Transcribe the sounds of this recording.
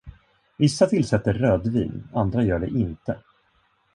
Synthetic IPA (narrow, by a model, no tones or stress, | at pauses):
vɪsːat̪ʰɪlsɛt̪ːəɾrøːd̪vḭːnand̪ɾajœːɖɛʔɪnt̪ə